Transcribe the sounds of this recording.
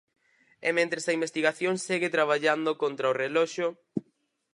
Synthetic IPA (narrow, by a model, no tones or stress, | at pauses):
ɛmẽnt̪ɾesɐimbest̪iɣaθjoŋseɣɪt̪ɾaβ̞aʎand̪okont̪ɾaorelɔʃʊ